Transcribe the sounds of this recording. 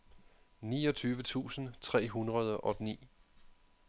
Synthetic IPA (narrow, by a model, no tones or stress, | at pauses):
niːɒt͡sʰyːʋət͡sʰṵːsn̩t͡sʰʁɛ̰ːɦunʁɐð̞ˠʔɒ̽d̥nḭː